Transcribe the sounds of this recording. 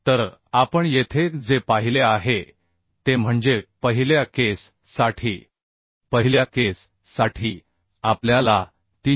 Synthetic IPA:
t̪əɾapəɳjet̪ʰed͡zepaɦileaɦe | t̪em̤əɳd͡ʑepəɦiljakesː | aʈʰiː | pəɦiljakesː | aʈʰiː | apljala | t̪i

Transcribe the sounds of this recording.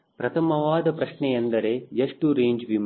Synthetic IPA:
pɾɐt̪ʰɐmɐʋaːd̪ɐpɾɐʂɳɛjɐnd̪ɐɾe̞eʂʈuɾeːɲd͡ʒʋim

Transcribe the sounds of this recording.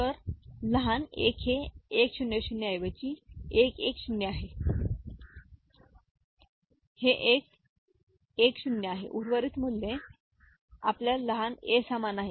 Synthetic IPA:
t̪əɾləɦanekɦeːkɕunjəɕunjəajʋət͡ɕiːekekɕunjəaɦe | heʔek | ekɕunjəaɦḛʔuɾʋəɾiːt̪mulːe | a̰pljaləɦanesamanaɦe

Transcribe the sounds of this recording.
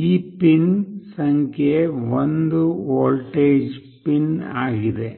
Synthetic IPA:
iːpːɪnsɐŋɡjeʋɐnd̪ɯoːlʈeːd͡ʒ | pɪna̰ːɣɪðe

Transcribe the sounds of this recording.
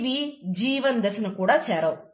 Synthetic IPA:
ʋid͡ʒiːʋɐnd̪ɐsɐnɐkuːɽaːt͡ʃɛːɾɐw

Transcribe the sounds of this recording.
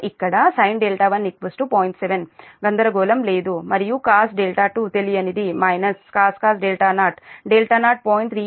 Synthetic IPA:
ikːɐɽɐsɐjnɖeːlʈaːʋɐnːikʋɐsʈupoːjɳʈseʋenɡɐnd̪ɐɾɐɡoːlɐmle̞ːd̪umɐɾijukaːsɖeːlʈaːʈuːt̪eliɐnid̪imɐjnɐskaːskaːsɖeːlʈaːnaːʈɖeːlʈaːnaːʈ̚poːjiɳʈt̪ʰɾiː

